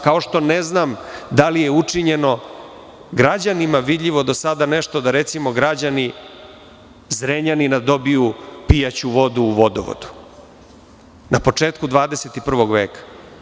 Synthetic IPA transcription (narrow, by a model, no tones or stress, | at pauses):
kao̞ʃt̪o̞neznamd̪alije̞ut͡ʂiɲe̞no̞ | ɡɾad͡ʑanimaʋid̪ʎʲiʋo̞d̪o̞sad̪ane̞ʃt̪o̞d̪aɾe̞t̪simo̞ɡɾad͡ʑani | zɾeɲaninad̪o̞bijupijat͡ɕuʋo̞d̪uːʋo̞d̪o̰ʋo̰d̪u̥ | napo̞t͡ʂe̞ːt̪kud̪vʋaːd̪e̞set̪ipr̩ʋo̞ɡʋeːkḁ